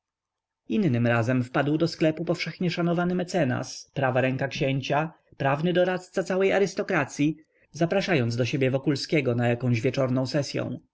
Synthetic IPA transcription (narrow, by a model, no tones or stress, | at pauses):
inːɘmɾazɛmfpad̪wd̪ɔsklɛpupɔfʂɛxɲɛʂanɔvanɘmɛt̪sɛna̰spɾavaɾɛŋkakɕeɲt͡ɕa | pɾavnɘd̪ɔɾat̪st̪sat̪sawɛja̰ɾɘst̪ɔkɾat̪sʲji | zapɾaʂajɔnd̪zd̪ɔɕebʲjɛvɔkulskʲɛɡɔnajakɔ̃w̃ʑvʲjɛt͡ʂɔɾnɔ̃w̃sɛsʲjɔ̰̃w̃